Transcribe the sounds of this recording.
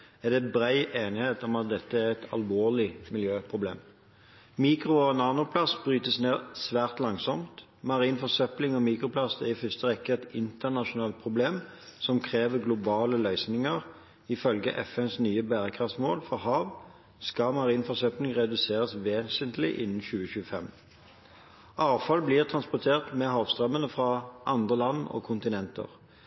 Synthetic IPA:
ɛd̪ɛbʁæɪʔeːnɪheːt̪ɔmɑt̪̚d̪ɛt̪ːəæʁɛt̪ʰɑ̰lʋoːʁlɪmɪljøːpʰʁʊblḛːm | miːkʁʊnɑːnʊpʰlɑsbʁyːt̪əsneːʁsʋæːʁt̪lɑŋsɔmt̪ | mɑʁiːnfɔsœplɪŋɔmiːkʁʊpʰlɑsæʁɪfʏst̪əʁɛkːəɛt̪ɪnt̪əʁnɑʃʊnɑːlt̪̚pʰʁʊbleːmsɔmkʰʁeːʋəɡlʊbɑːləlœʏsnɪŋəʁ | ɪfœlɡə̰ʔɛfɛnsnyːəbæːʁəkʰʁɑft̪moːlfɔʁhɑːʋ | skɑmɑʁiːnfɔsœplɪŋʁɛd̪ʉseːʁəsʋeːsənt̪lɪ̰ʔɪ̰nːn̩çʉːəçʉːəfɛm | ɑːʋfɑlbliːʁt̪ʰʁɑnspʊʁt̪ʰeːʁt̪mɛhɑːʋst̪ʁœmːənəfʁɑʔɑnd̪ʁəlɑnɔ̰kʰʊnt̪ɪnɛnt̪ə̰ʁ

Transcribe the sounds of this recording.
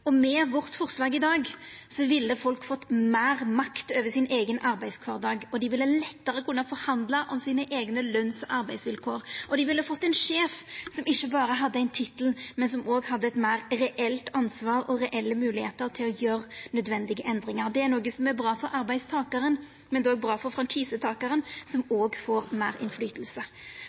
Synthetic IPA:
ɔmɛʋɔʁt̪fɔʁslɑːɡɪd̪ɑːɡsɔʋɪlːəfɔlkfɔt̪ːmæːʁmɑkt̪øːʋəsɪnʔeːɡənʔɑɾbæɪskʰʋɑːʁd̪ɑːɡɔd̪ɪʋɪlːəlɛt̪ːəɾəkʰʉnːəfɔɾhɑnd̪lɑʔɔmsiːnəʔeːɡnəlœnsɔʔɑɾbæɪsʋɪlkʰoːɾʔɔd̪ɪʋɪlːəfɔt̪ːæɪnʂeːfsɔmɪʃːəbɑːɾəɦɑd̪ːəæɪnt̪ʰɪt̪əl̩mɛnsɔmoːɡhɑd̪ːəɛt̪mæɪʁɾɛʔɛlt̪ɑnsʋɑːɾɔɾɛʔɛlːəmʉːlɪheːt̪əʁt̪ʰɪlɔjøːʁnœd̪ʋɛnd̪ɪɡəʔɛnd̪ɾɪŋɑɾd̪ɛæɾnoːɡəsɔmæɾbɾɑːfɔɾɑɾbæɪst̪ʰɑːkɑɾən | mɛnd̪oːɡ̚bɾɑːfɔfɾɔnt͡ʃiːsət̪ʰɑːkəɾənsɔmoːɡfoːɾmæːɾɪ̰nflyːt̪əlsə

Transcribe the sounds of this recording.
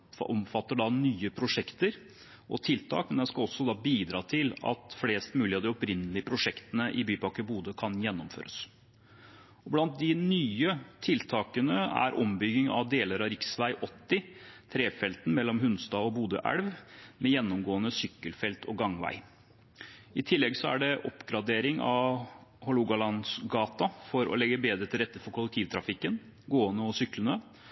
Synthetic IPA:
ʔɔmfɑt̪ːəɖɑnyːəpʰɾʊʂɛkt̪əɾ | ʔɔ̰t̪ʰɪlt̪ʰɑ̰ːkmənɛnskɑɔsːɔd̪ɑːbiːd̪ɾɑːt̪ʰɪlɑ̰t̪fleːst̪mʉːlɪɑd̪ɪɔpɾɪnːəlɪəpʰɾʊʂɛkt̪ənəʔɪbyːpɑkəbuːd̪əkʰɑnjɛnːɔmfø̰ːɾə̰s | ɔblɑnt̪̚d̪ɪnyːət̪ʰɪlt̪ʰɑːkənəæ̰ɾʔɔmbʏɡːɪŋɑ̰ʋd̪eːləɾɑɾɪksʋæɪʔɔt̪ːɪt̪ʰɾeːfɛlt̪n̩mɛlːɔmɦʉnst̪ɑːɔbuːd̪ə̰ʔæ̰ɽʋmɛjɛnːɔmɡoːənəsʏkːəlfɛlt̪ʰɔɡɑŋʋæ̰ɪ | ɪt̪ʰɪlːɛɡsɔæ̰ɖɛʔɔpɡɾɑd̪eːɾɪŋɑ̰ʋhɔluɡɑlɑnsɡɑːt̪ɑfɔɾɔ̰lɛɡːəbeːd̪ɾət̪ʰɪlɾɛt̪ːəfɔɾkʰʊləkt̪ʰiːʋt̪ʰɾɑfɪkːən | ɡoːənəɔsʏklənə

